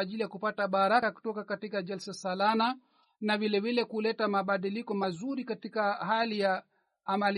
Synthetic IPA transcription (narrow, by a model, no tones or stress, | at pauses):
ʄilijakupataɓaɾakaku̥tɔkakatikaʄɛlsasalana | navilɛvilɛkulɛtamaɓaɗilikɔmazuɾikatikaɦalijaː | mal